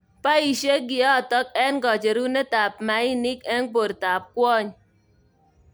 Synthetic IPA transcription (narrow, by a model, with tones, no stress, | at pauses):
pa˦i˨ʃe˦ɡi˨ɔ˦˨tɔ˦k̚ɛ˦nɡɔ˨d͡ʒe˨ɾu˦nɛ˦ta˨p̚ma˨˦i˦ni˦kɛ˦npo˨ɾta˨p̚kwɔ˦ɲ